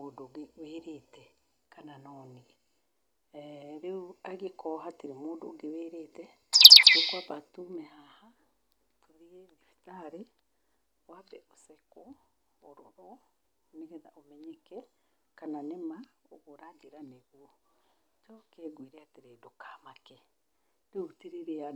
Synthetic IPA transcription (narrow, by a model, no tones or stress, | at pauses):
odoɣeweɾetɛ | kananɔːni | ɾeaɣekɔɦatiɾemoːdoɡeweːɾetɛ | ɾokuaβatumɛhaha | toðieðifi̥taɾi | wabɛʔosɛkɔ | oɾoɾɔ | neɣɛða̰ʔomɛɲɛkɛ | kananemaoɣoɾadeɾaneɣu | t͡ʃɔkeɡwiɾeateɾeːdokamakɛ | ɾeutiɾeɾea